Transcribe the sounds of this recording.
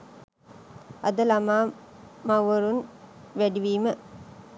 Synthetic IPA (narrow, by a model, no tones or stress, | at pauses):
ɐd̪əlamaː | mɐwʋɐɾunʋæɖiʋiːmə